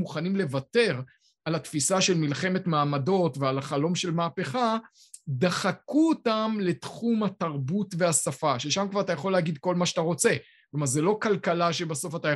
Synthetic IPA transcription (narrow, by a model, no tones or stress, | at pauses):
muχanimle̞vate̞ʁ | alat̪fisaʃe̞lmilχe̞me̞tmaːmado̞tvealaχalo̞mʃe̞lmaːpe̞χa | d̪aχakuotamle̞tχumhataʁbutveasafaʃeʃamkvaʁat̪̬ajaχo̞lːeːɡid̪̚ko̞lmaʃataʁo̞t͡se̞ | klomaʁzelo̞kalkalaʃe̞baso̞fata